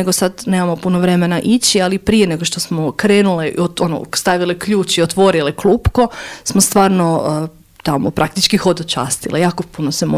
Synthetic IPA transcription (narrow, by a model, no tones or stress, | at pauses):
eɡosad̪ne̞ːmamo̞punoʋɾe̞menaʔit͡ɕialipɾije̞ne̞ɡoʃt̪o̞smokɾe̞ːnuleoono̰st̪aʋilekʎuːt͡ʃiot̪ʋo̞ɾileklˠuːpko̞smost̪ʋaːɾno | t̪amopɾʔak̚t̪it͡ʃkixod̪ot͡ʃa̰ːst̪ilˠʔejaːkopunosem